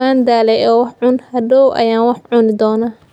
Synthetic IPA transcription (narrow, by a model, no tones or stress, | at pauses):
aːnd̪aːlɛɔːwɑħʕʊnhɐdɔwʔɐ̰jaːnwɑħʕʊnɪd̪ɔːnɐ